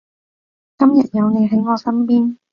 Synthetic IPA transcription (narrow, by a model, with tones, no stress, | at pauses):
kɐ˥mjɐ˨t̚jɐ˨˧wne˨˧jɦɐ˨˥jŋɔː˨˧sɐ˥mpiː˥n